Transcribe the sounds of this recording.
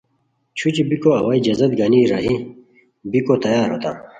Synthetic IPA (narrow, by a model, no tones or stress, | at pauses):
t͡ɕʰut͡ɕibikoɐwaːid͡ʑɐzɐd̪ɡaːniɾaːɦi | bikot̪ɐjaːɾɦo̰ːt̪a̰ː